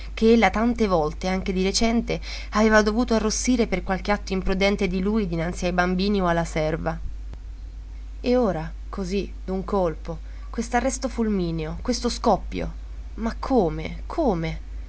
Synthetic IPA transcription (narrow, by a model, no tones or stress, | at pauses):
k̟eelːat̪ant̪evɔlt̪eaŋk̟ed̪iɾet͡ʃɛnt̪e | aveːvad̪ovuːt̪oarːosːiːɾeperkwalkeat̪ːoimpɾud̪ɛnt̪ed̪iluːjd̪inant̪siajbambiːnioalːasɛrva | eoːɾa | kʰozi | d̪uŋkolpo | kwest̪oarːɛst̪ofulmiːneokwest̪oskɔpːjo̰ | makʰːoːmḛ | kʰoːme